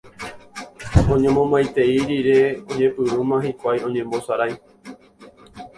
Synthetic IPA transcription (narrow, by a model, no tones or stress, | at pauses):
õ̞ɲẽ̞mõ̞mbajt̪e̞iɾiɾeõɲẽ̞pɨɾumãhikʷajõ̞ɲẽ̞mbo̞saɾaj